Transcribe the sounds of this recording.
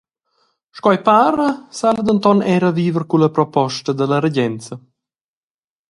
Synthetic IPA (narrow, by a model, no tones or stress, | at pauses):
ʃkɔjpaɾəsald̪ənt̪ɔnɛɾəviːvəɾkuləpɾɔpɔʃt̪əd̪əlɐɾəɟɛnt͡sə